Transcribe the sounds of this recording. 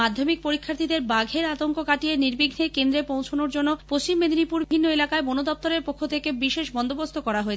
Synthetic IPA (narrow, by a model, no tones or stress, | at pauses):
ad̪ʱomik̚poɾikʰːaɾt̪ʰid̪eɾbaɡʱeɾat̪oŋkokaʈijeniɾbiɡʱnekend̪ɾepõw̃t͡ɕʰonoɾd͡ʑonːopɾost͡ɕimːed̪ʱinipuɾʱinːoelakaebonod̪ɔp̚t̪oɾeɾpokʰːot̪ʰekebiʃeʃbɔnd̪obost̪ʰokɔɾaɦoe